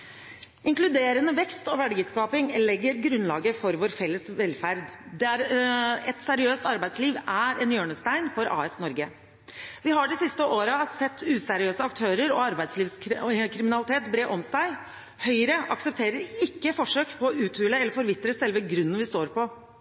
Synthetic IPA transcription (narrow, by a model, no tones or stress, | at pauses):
ɪŋklʉd̪eːɾənəʋɛkst̪ɔʋæɖɡət̪skɑːpɪŋlɛɡːəɾɡɾʉnlɑːɡəfɔɾʋoːɾfɛlːəsʋɛlːfæɾd̪d̪ɛæɾɛt̪sæɾɪøːst̪ɑɾbæɪd̪sliːʋæɾɛnjøːɳəst̪æɪnfɔɾʔɑ̰ːɛsnɔɾɡə | ʋɪɦɑɖɛsɪst̪əʔoːɾəsɛt̪ːʉːsæɾɪøːsəɑk̚t̪ʰøːɾəɾɔ̰ɑɾbæɪd̪sliːʋskʰɾɪmɪnɑlɪt̪ʰeːt̪bɾeːʔɔmsæɪ | hœʏəɾəʔɑksəp̚t̪ʰeːɾəɾɪkːəfɔʂøːkpʰɔːʉːt̪ʰʉːləɛləɾfɔɾʋɪt̪ːɾəsɛlʋəɡɾʉnːənʋɪst̪oːɾpʰɔ